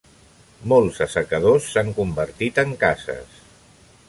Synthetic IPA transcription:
molˠzəsəkəð̞osːaŋkumbəɾt̪it̪əŋkazə̰s

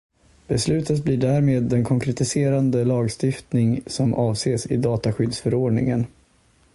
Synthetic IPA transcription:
b̥ɛslʉ̟ːt̪ət̪̚bliːɖæɾmeːd̪ːɛnkʰɔŋkʰɾɛt̪ɪseːɾand̪əlɑːɡst̪ɪft̪nɪŋsɔmʔɑːvseːsɪ̰d̪ɑːt̪aɧʏd̪sfœɾoːɖɳɪ̰ŋən

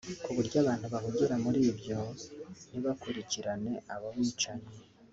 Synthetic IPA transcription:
kuβuɾɟaːβaːn̥huβahuɟeɾamuɾiːbɟo̞niβakuɾiciɾane̞aβaβiːt͡ʃaɲe

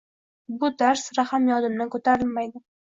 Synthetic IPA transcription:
bʊd̪aɾsɾahamjɒd̪ɪmnɪkʰot̪ʰaɾɪlmajd̪ɪ

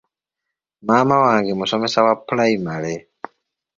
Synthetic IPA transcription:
maːmawaːŋɡemusomesawapulaimale

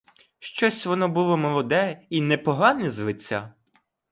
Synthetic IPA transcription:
ʃt͡ʃɔsʲʋɔnɔbʊlˠɔmɔlˠɔd̪ɛinɛpɔɦɑnɪzʋɪt͡sʲːa

